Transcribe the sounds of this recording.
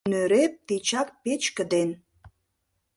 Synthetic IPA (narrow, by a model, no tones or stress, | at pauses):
nøɾep̚t̪it͡ɕɑk̚pet͡ɕkə̆d̪en